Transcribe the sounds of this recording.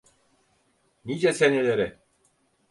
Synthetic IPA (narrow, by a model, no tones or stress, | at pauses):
nid͡ʒɛsenelʲeɾɪ